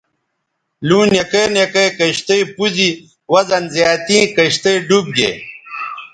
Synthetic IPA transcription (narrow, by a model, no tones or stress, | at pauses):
luːnekeːnekɐjkɐɕt̪ejpuzi | wɐzɐnzjaːt̪ĩːkɐɕt̪ejɖub̚ɡḛ